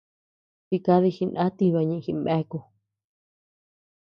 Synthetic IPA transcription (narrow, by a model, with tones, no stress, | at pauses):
ti˧ka˧ði˧xi˧nã˦t̪i˧βa˧ɲĩ˧xi˧mẽ˧˦˧ku˧